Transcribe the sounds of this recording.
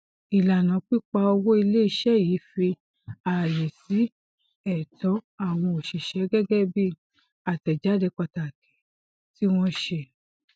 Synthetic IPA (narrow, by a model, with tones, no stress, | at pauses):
i˨la˨nã˨˦k͡pi˦k͡pa˧o˧wo˦i˧le˦i˧˦ʃɛ˦˨jiː˨˦fi˧ | a˨le˨si˨˦ | ɛ˨tɔ˨˦a˦˨w̃ɔ̃˧o˨ʃi˨ʃɛ˨˦ɡɛ˦ɡɛ˦bi˦˨ | a˨tɛ˨d͡ʒa˨˦de˧k͡pa˧ta˨kɛ̥˨˦ | ti˦w̃ɔ̃˧ʃe˧˨